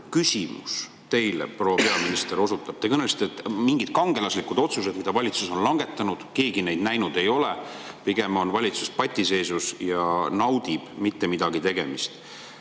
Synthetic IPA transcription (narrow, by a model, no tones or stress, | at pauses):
kysʲimṵs | t̪e̞jlḛpro̞ːpe̞ɑminist̪e̞ɾo̞sut̪ːˑɑb̥̚t̪e̞kɤnelst̪et̪ːmiŋɡ̥id̪̥kɑŋɡe̞lɑslikːud̪o̞t̪sus̬e̞d̪mid̪̥ɑvɑlʲit̪suso̞nlɑŋɡe̞t̪ːˑɑnud̪̥ke̞ːɡine̞jd̪̥næjnud̪e̞jo̞le | piɡ̥e̞mo̞nvɑlʲit̪su̥spɑt̪ʲːˑise̞ːsusjɑnɑwd̪̥ib̥mit̪ːemid̪̥ɑɡit̪e̞ɡ̥e̞̰mist̪